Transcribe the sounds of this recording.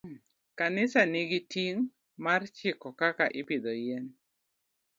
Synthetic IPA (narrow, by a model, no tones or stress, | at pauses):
kanɪsanɪɡɪtiŋ | mart͡ʃɪkɔkakaʔɪpɪd̪ɔjɛn